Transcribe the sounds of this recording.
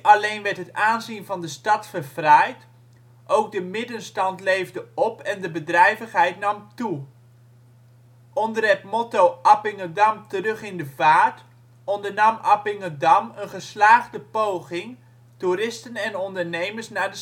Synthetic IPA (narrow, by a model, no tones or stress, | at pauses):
ɑlejnʋɛɹtɦətaːnzinvɑndəstɑtfəɹv̥rɛjt | ʔowk̚dəmɪdənstɑntlejvdəɔpɛndəbədrɛjvəχɦɛjtnɑmtu | ʔɔndərɛtmɔtoʔapɪŋədɑmtərɵχɪndəvaːɹt | ɔndəɹnɑmɑ̰pɪŋədɑmənχəslaːχdəpowχɪŋ | tuɾɪstənɛnɔndəɹnejməɹsnaːɹdə